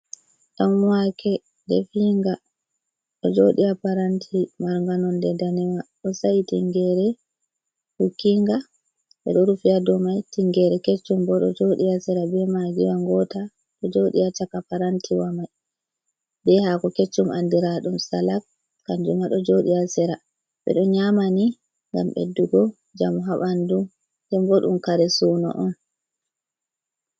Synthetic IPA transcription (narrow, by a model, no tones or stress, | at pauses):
ɗamwakʰɛ | dɛ̰fiŋɡa | ɗɔd͡ʒoɗiapaɾantʰimaɾŋɡanɔndɛdanɛwaɗɔsajitiŋɡɛɾɛ | hukːiŋɡa | ɓɛ̰ɗɔɾufiadɔmajtiŋɡɛɾɛket͡ʃːumbɔɗɔ̰d͡ʒoɗiasɛɾabɛmaɡiwaŋɡɔta | ɗɔd͡ʒoɗḭat͡ʃakapaɾantʰiwamaj | bɛhakɔket͡ʃːumʔandiɾaɗumsalak̚ | kːand͡ʒumaɗɔd͡ʒoɗiasɛɾa | ɓɛ̰ɗɔɲamani | ŋɡa̰mɓḛdːuɡɔ | d͡ʒamɔɦaɓandu | dɛmboɗumkaɾɛsuːnɔ̰ʔɔn